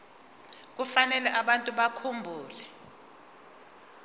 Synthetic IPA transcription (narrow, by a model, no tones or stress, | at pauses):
k̬ufanɛlɛʔaɓantʼuɓakʰumbʱuːlɛ